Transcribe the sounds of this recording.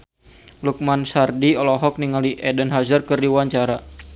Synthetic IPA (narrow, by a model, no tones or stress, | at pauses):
luk̚mansardiɔlɔɦɔk̚niŋaliʔɛdənɦazərkɨrdiwaɲt͡ʃaɾa